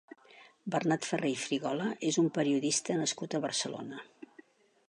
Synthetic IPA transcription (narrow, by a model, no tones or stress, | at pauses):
bərnat̪fərejfɾiɣɔləʔezumpəɾiuðist̪ənəskut̪əβərsəlo̰nə